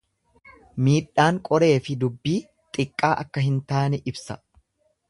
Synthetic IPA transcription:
miːɗːaːŋkʼɔɾe̞ːfɪd̪ʊbːiː | t̪ʼɪkʼːaːʔɐkːɐɦɪnt̪aːnɛʔɪbsɐ

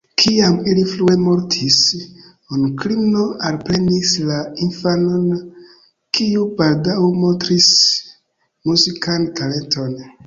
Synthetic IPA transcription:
kʰiamiliflue̞mo̞ɾtʰis | onkɾimno̞alpɾe̞nislainfano̞n | kiubaldawemo̞ntɾis | muzikantale̞nto̞n

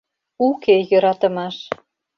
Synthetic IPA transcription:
ukejøɾɑt̪ə̆mɑʃ

